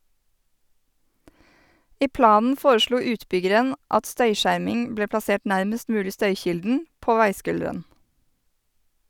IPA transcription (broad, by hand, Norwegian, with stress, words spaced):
ˈiː ˈplɑːnn̩ ˈfoːɾəˌʃluː ˈʉːtˌbʏɡəɾən ˈʔɑt ˈstœʏˌʃæɾmɪŋ ˈbleː plɑˈseːʈ ˈnæɾməst ˈmʉːlɪ ˈstœʏˌçɪldn̩ ˈpoː ˈʋæɪˌskʉldəɾən